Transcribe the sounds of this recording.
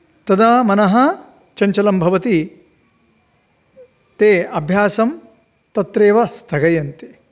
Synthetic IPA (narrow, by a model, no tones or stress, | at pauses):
t̪ɐd̪aːmɐnɐɦɐ̆ | t͡ʃɐɲt͡ʃɐlɐmbʱɐʋɐt̪i | t̪eːɐbʱjaːsɐm | t̪ɐt̪ɾeːʋɐst̪ʰɐɡɐjɐnt̪eː